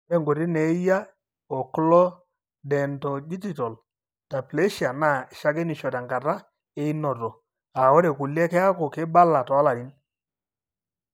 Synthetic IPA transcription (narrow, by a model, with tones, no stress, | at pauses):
ɛ˦˨ŋɡo˨ɾi˦ne˨˦ja˦ | ɔ˨klɔ˦ | dɛ˨ntɔ˨di˦d͡ʒi˦˨tɔ˨l | ta˨ple˦ʃa˨na˦˨ʃa˦ɡɛ˦ni˨ʃɔ˨ta˨ŋɡa˨ta˦ | e˦i˦nɔ˨tɔ˨ | a˨wɔ˦ɾɛ˨ku˨lɛ˦kɛ˦a˦kɔ˨ke˦ba˦la˨tɔ˨˦a˦la˨ɾi˦n